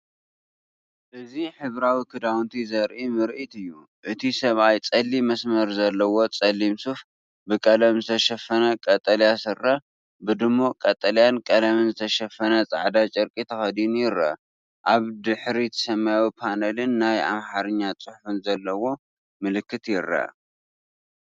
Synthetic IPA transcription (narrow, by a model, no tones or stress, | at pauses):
ʔɨziħɨβɾawikʰɨd̪awnt̪ʰizɐɾʔimɨɾʔit̪ɨjːu | ʔɨt̪ʰisɐβajt͡sʼɐlːimɐsmɐɾzɐlːɐwo̞t͡sʼɐlːimsuf | bɨkʼɐlɐmzɨt̪ʰɐʃɐfɐnɐkʼɐt̪ʼːɐljasɨrːɐ | bɨd̪ɨmːokʼɐt̪ʼːɐljankʼɐlɐmɨnzɨt̪ʰɐʃɐfːɐnɐt͡sʼa̰ʕd̪at͡ʃʼɨɾkʼit̪ʰɐxɐd̪injɪɾɐ̰ | ʔaβd̪ɨħɾit̪ʰɐ̥sɐmːajawipʰanɐlɨnːaja̰mħaɾɨɲːat͡sʼʊħfɨnzɐlːɐwo̞ | mɨlɨkːɨt̪jɪɾːɐ̰